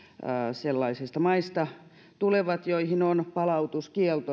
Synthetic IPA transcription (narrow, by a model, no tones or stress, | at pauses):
selːɑisist̪ɑmɑist̪ɑ | t̪uleʋɑt̪joihinonpɑlɑut̪uskiɛlt̪o